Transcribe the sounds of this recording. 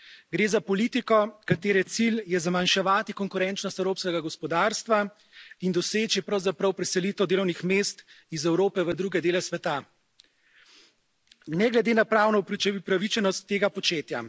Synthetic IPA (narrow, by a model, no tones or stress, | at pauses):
ɡɾeːzapɔlit̪ikɔkat̪eːɾɛt̪siljɛzamanʃɛʋaːt̪ikɔŋkuɾɛnt͡ʃnɔst̪ɛwɾoːpskɛɡaɡɔspɔd̪aɾst̪ʋa | ind̪ɔseːt͡ʃipɾɐwzapɾɐwpɾɛsɛliːt̪ɛwd̪eːlɔwnixmeːst̪ | izɛwɾoːpɛʋəd̪ɾuːɡɛd̪eːlɛsʋɛt̪a | nɛɡlɛd̪eːnapɾaːwnɔppɾaʋit͡ʃɛnɔst̪ːeːɡapɔt͡ʃeːt̪ja̰